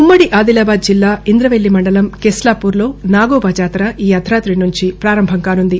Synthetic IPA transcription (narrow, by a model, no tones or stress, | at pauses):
umːɐɽiʔaːd̪ilaːbaːd̪̚d͡ʒilːaːind̪ɾɐʋelːimɐɳɖɐlɐmkeslaːpuːɾlo̞ːnaːɡoːbɐd͡ʒaːt̪ɾɐʔiːɐd̪ʰʱɾaːt̪ɾinuɲt͡ʃipɾaːɾɐmbʱɐŋkaːnund̪i